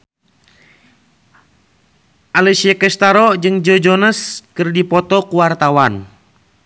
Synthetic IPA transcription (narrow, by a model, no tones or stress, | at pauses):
ʔalɛsiakɛst̪aɾɔd͡ʒɨŋd͡ʒɔd͡ʒɔnəskɨrdipɔt̪ɔkuwart̪awan